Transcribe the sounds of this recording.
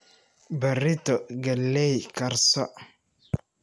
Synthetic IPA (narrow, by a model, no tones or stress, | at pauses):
bɐrɪt̪ɔɡɐlːɛjkɐɾsɔ